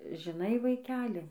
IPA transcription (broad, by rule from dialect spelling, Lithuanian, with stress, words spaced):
ʒʲɪˈnɐɪ ʋɐɪˈkʲæːlʲɪ